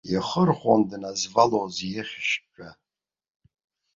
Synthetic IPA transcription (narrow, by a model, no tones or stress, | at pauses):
jiχərχʷandnazvalozjɪχʲʃt͡ʃʼᶣa